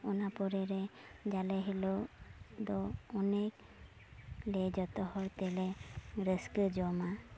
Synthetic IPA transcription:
ɔnapɔɾɛɾɛd͡ʒalɛɦilod̪ɔɔnek̚ | lɛd͡ʒɔt̪ɔhɔjt̪ɛlɛɾəskəd͡ʒɔma

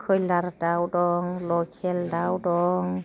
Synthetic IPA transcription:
kʰɯjlaɾdawdɔːŋlɔːkʰɛldawdɔːŋ

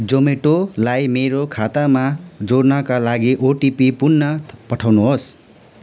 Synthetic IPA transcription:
d͡zomeʈolajmeɾokʰat̪amad͡zoɽnʌkalaɡiʔoʈipipunnːʌpʌʈʰawnuɦos

